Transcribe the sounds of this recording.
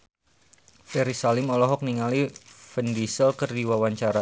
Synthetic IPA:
fɛɾisalɪmɔlɔɦɔk̚niŋalifəndisəlkərdiwawaɲt͡ʃaɾa

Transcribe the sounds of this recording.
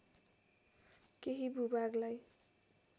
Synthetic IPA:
keɦibubaɡlaj

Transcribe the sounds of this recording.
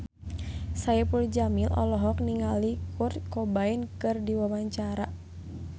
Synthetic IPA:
sajɛpuld͡ʒamilʔɔ̰lɔɦɔkniŋalikurt̪̚kɔbainkɨrdiwabaɲt͡ʃaɾa

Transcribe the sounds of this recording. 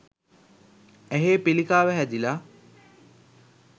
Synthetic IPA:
æɦeːpilikaːʋæɦæd̪ila

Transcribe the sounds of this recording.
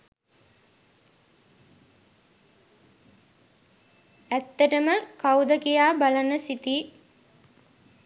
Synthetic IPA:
æt̪ːəʈəməkawd̪əkijaːbalanəsit̪i

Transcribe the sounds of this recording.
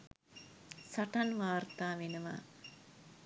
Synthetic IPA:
saʈanʋaːrt̪aːʋenəʋa̰ː

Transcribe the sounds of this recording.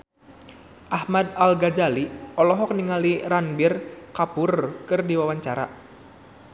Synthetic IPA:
ʔahmad̪̚alɡad͡ʒaliɔlɔɦɔk̚niŋaliranbirkapʊrkɨrdiwawaɲt͡ʃaɾa̰

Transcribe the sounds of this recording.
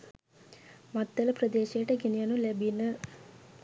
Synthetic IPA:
mɐt̪ːɐlɐpɾɐd̪eːʃejːʈəɡenijɐnulɛbinə

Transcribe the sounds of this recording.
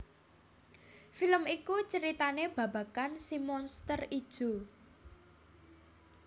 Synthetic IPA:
filəmikut͡ʃəɾit̪aneb̥ä̤b̥a̤kansimɔnst̪ərid̥ʒ̥o̤

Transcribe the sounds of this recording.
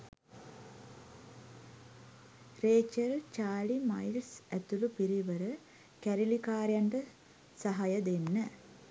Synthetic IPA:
reːt͡ʃəɾt͡ʃaːlimajlsæt̪ulupiɾiʋəɾə | kæɾilikaːɾjaɳɖə | sɐɦajəd̪enːə

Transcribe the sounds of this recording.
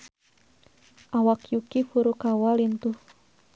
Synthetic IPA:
ʔawakjukifuɾukawalint̪uh

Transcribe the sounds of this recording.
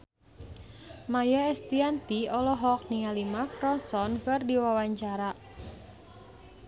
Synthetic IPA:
majaɛst̪iant̪iɔlɔɦɔk̚niŋalimakɾɔnsɔnkɨrdiwawaɲt͡ʃaɾa

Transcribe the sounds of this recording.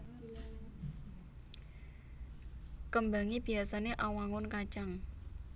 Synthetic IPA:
kəmbaŋib̥i̤asaneʔawaŋʊnkat͡ʃaŋ

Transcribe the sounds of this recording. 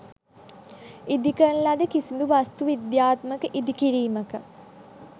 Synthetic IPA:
id̪ikəɳlad̪əkisind̪uʋast̪uʋid̪jaːt̪məkəʔid̪ikiɾiːməkə

